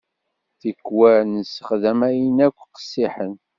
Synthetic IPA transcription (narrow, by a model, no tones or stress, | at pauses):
θəkːwæɾnəsə̥χðæmæjənækʷːqə̥sːiħən